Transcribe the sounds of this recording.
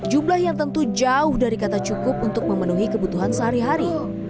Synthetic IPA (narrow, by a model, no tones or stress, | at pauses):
d͡ʒumlahjaŋt̪ənt̪ud͡ʒaʊhdaɾikat̪at͡ʃukʊp̚unt̪ʊk̚məmənuɦikəbut̪uɦansəɦaɾiɦaɾi